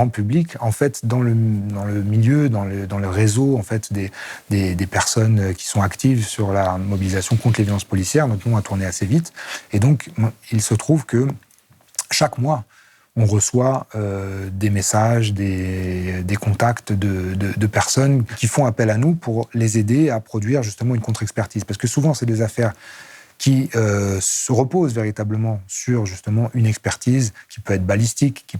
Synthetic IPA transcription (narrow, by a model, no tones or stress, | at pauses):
ɑ̃pyblikɑ̃fɛt̪d̪ɑ̃ləd̪ɑ̃ləmiljød̪ɑ̃ləd̪ɑ̃ləʁezoɑ̃fɛt̪d̪ed̪ed̪epɛʁsɔnøkʲi̥sɔ̃akt̪ivsyʁlamɔbilizasjɔ̃kɔ̃t̪χlevjɔlɑ̃spɔlisjɛʁnɔt̪nɔ̃at̪uʁneasevit̪ed̪ɔ̃kmilsət̪χuvkə | ʃakmwa | ɔ̃ʁəswaød̪emesaʒd̪e | d̪ekɔ̃t̪akt̪d̪əd̪əd̪əpɛʁsɔnkʲifɔ̃apɛlanupuʁlezed̪eapχɔd̪ɥiʁʒyst̪əmɑ̃ynkɔ̃t̪χɛkspɛʁt̪izpaʁsə̥kəsuvɑ̃sɛd̪ezafɛʁkʲiøssəʁəpozveʁit̪abləmɑ̃syʁʒyst̪əmɑ̃ʔynɛkspɛʁt̪izkʲi̥pøɛt̪χbalist̪ikːi